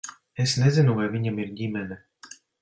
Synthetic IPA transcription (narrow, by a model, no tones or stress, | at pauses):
esnɛzinuvajvʲiɲamiɾdʲimʲɛnɛ